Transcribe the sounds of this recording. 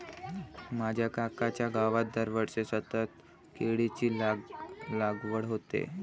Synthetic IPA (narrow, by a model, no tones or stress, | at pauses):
mad͡ʑʱjakakat͡ɕjaɡaʋat̪̚d̪əɾʋəɾsesət̪ət̪̚ | keɽit͡ɕiːl | laɡʋəɽɦot̪ḛ